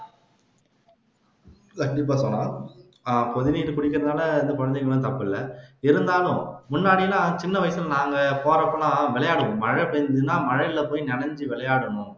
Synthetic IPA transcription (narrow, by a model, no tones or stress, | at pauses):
lɐkʈɪp̬ːaːsɔnːãː | pɔðɪniːʈɯpɪɽɪkːɪɾɐðnaːlɐɪnd̪ɐkɔɻɐnd̪ɐŋɡɐɭʊ̃t̪ɐpːɯɪlːɐɪɾɯnd̪aːlʊ̃mʊnːaːɽɪjlãːt͡ʃɪnːɐʋɐɪɐsɪlnaːŋɡɐpoːɾɐpːɐlãːʋɪlɐjaːɽɯʋʊ̃mɐɻɐpɐnɯnːãːmɐɻɐjɪlɐpoːjinɛɳɐɲd͡ʒɯʋɪlɐjaːɽɐɳʊ̃